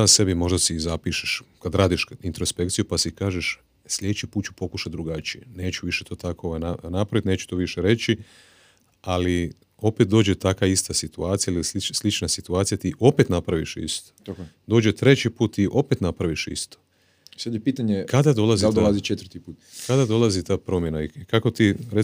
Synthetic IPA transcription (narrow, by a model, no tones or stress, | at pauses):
ase̞bimo̞ʒd̪asizapiʃeʃkad̪ɾaːd̪iʃint̪ɾospe̞kt̪sijupasikaːʒeʃ | sʎʲed̪et͡ʃipuːt̪̚t͡ʃu̥po̞kuʃad̪ɾuɡat͡ʃiene̞ːt͡ɕuʋiʃet̪ʰo̞ːt̪ako̞oʋajnanapɾaʋit̪neːt͡ʃu̥t̪o̞ʋiʃeɾe̞t͡ɕi | ali | o̞pet̪̚d̪o̞ːd͡ʑet̪akaist̪asit̪uaːt̪sijalilslit͡ʃslit͡ʃnasit̪uaːt̪sijat̪iʔo̞pet̪napɾaʋiʃḭst̪o̥akd̪o̞ːd͡ʑet̪ɾe̞t͡ɕipuːt̪iʔo̞pet̪napɾaʋiʃḭst̪o̥ | sad̪jepiːt̪aɲekad̪ad̪o̞laziad̪olazit͡ʃet̪ʋɾt̪ipuːt̪kad̪ad̪o̞lˠazit̪aːpɾo̞mjenaikako̞t̪iɾe